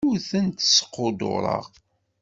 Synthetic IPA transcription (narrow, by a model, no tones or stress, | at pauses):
uθənt̪sə̥qːod̪o̰ɾˤə̰ʁ